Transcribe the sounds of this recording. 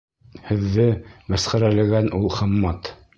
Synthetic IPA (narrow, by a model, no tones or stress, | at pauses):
hɘ̆ðːɘmæsχæɾælɘ̆ɡænʔulˠχɤ̆mːɑt̪